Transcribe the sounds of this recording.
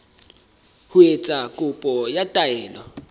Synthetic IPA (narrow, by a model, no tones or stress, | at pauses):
huet͡sʼakʼupʼɔjatʼaɛːlwa̰